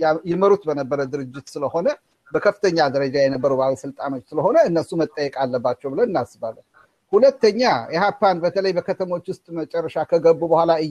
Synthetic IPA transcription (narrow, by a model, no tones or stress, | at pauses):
jɛməɾut̪bənəbːəɾəd̪ɨɾɨd͡ʒːɪt̪sɨləho̞nə | bəkʰəfɨ̥t̪ʰəɲːad̪əɾəd͡ʒajɛnəbːəɾəwbaβisɨlt̪ʼano̞t͡ʃːsɨləɦo̞nəɨnːəsumət̪ʼəjːɛkʼalːəbːat͡ʃːɛwbɨlənɨnːasbalə | hulət̪ːəɲːajɛɦapːanbət̪ʰələjbəkʰət̪ʰəmo̞t͡ʃːwʊst̪ʼmət͡ʃʼɛrːəʃakʰəɡəbːubəhʷalaɨ